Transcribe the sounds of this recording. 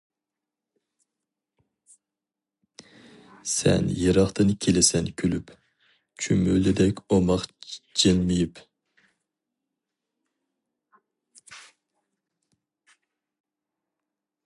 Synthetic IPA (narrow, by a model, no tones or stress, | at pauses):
sɛ̰njeɾɑχt̪ɨnkʲʰelɪsɛnkʲʰylyp | t͡ʃʰymylɪd̪ɛkʲomɑχd͡ʒenmɪjip